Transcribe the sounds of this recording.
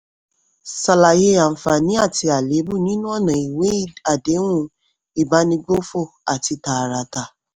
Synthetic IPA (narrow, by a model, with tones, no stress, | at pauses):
sa˨la˨je˧a˨fa˨nĩ˨˦a˦˨ti˧a˨le˨˦bu˦˨nĩ˦nũ˦ɔ˦˨nã˨i˨we˨˦˨a˨de˨˦w̃ũ˦ | i˨ba˨˦nĩ˧ɡ͡bo˦fo˦˨a˨ti˧ta˨ɾa˧ta˧